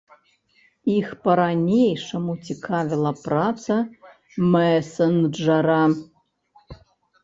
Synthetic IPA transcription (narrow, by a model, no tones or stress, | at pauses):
ixpɐɾanʲejʂɐmutʲʰikʰavʲɪlˠɐprat͡sʰɐ | mɛsɐnd͡ʒɐɾa